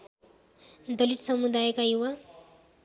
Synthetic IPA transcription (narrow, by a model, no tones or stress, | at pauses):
d̪ʌliʈsʌmud̪ajəkajuwa